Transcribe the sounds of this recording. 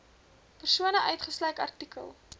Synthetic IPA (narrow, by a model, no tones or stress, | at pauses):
pərsuənəʔœɥtχəslœɥkɐ̰rtikʰə̰lˠ